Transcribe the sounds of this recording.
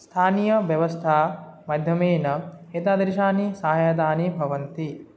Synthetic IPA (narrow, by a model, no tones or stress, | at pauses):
st̪ʰaːnijɐʋjɐʋɐst̪ʰaːmɐd̪ʱjɐmeːnɐɦeːt̪aːd̪ɐɾiʃaːnisaːɦjat̪̬aːnibʱɐʋɐnt̪i